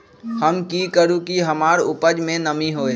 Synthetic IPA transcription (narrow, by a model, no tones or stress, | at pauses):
həmkikəɾũkiɦɐmaːɾʊpəd͡ʒmẽnəmiɦoːe